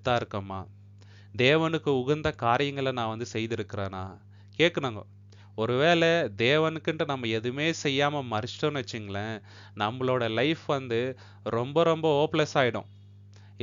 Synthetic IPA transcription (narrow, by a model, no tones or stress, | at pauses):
t̪ːaːɪɾɯkːɐmːaː | d̪eːʋɐnɯkːɯʊɣɐɾnd̪ɐkaːɾɪjɐŋɡɐɭɐnãːʋɐnd̪ɯsɛjðɪɾɯkːɪɾeːna̰ː | keːʈkːɐɳaːŋɡɐ̰ | ɔɾɯʋeːɭɛd̪eːʋɐnɯkːɪɳʈːɯnɐmːɐɛðɯmeːsɛjːaːmɐmɐɾɪsʈõnʋɐt͡ʃːɪŋɡɐɭɐ̃ | nɐmːɐɭoːɽɐlɐɪfʋɐnd̪ɯ | ɾɔmbɐɾɔmbɐoːpɭɛsaːjɪɽʊ̰̃